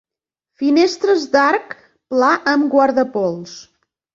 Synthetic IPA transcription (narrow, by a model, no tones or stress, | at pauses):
finest̪ɾəzd̪aɾk | plaʔəmɡwəɾðəpɔlˠs